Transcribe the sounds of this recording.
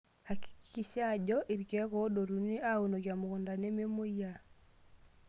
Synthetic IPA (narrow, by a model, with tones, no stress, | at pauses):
ha˨ki̥ki˨ʃa˦˨d͡ʒɔ˦ʔi˨ɾkɛ˨˦ko˦do˨ɾu˨ni˦a˦u˨no˨kja˨mʊ˨kɔ˨nda˨ne˦me˦mo˦ja˦˨